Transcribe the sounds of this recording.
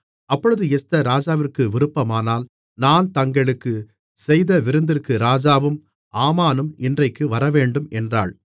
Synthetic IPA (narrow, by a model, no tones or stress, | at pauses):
ɐpːɔɻɯðɯɛst̪ɐɾaːd͡ʒaːʋɪrkɯʋɪɾɯpːɐmaːnaːl | naːnt̪ɐŋɡɐɭɯkːɯ | sɛjðɐʋɪɾɯnd̪ɪrkːɯɾaːd͡ʒaːʋɯm | ʔaːmaːnɯmɪndrɐɪkːɯʋɐɾɐʋeːɳɖɯmɛndra̰ːɭ